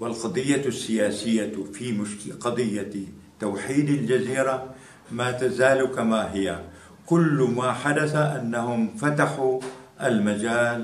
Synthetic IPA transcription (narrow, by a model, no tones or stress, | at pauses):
wɪlqɑd̪ˤɨjːasːɪjaːsɪjːafimʊʃkqɑd̪ˤɨjːa | t̪awħiːd̪ald͡ʒaziːɾˤa | maːt̪azaːlukamaɦɪja̰ | kʊlːmaːħad̪aθaʔanːahʊmfat̪aħu | ʔalmad͡ʒaːl